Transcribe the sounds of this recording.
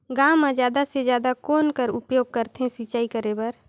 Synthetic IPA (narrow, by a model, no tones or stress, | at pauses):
ɡãːmːãd͡ʒjaːd̪ased͡ʒjaːd̪akoːnkəɾʊpjoːɡ̚kəɾt̪ɦɛ̃sit͡ʃaːikəɾebəɾ